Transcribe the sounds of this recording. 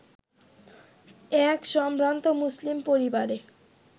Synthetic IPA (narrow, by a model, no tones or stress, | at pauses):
ɛkʃɔmpɾant̪omuslimpoɾibaɾe